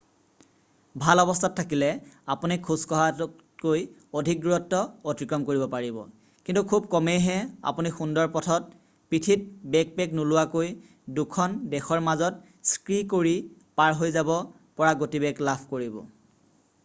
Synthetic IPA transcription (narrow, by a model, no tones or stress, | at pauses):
bʱalɔbɔstʰatʰːakilɛapunikʰuskɔɦa | koj | odʱik̚duɹɔtːɔotɹikɹɔmkoɹibɔpaɹibɔ̰ | kintukʰub̚kɔmejɦɛa̰punixundɔɹpɔtʰɔt̚ | pɹitʰit̚bɛk̚pɛknulʊwakoj | dukʰɔndɛxɔɹmazɔt̚ | skɹikoɹi | paɹɦojzabɔ | pɔɹaɡotibɛɡlapʰkoɹibɔ̰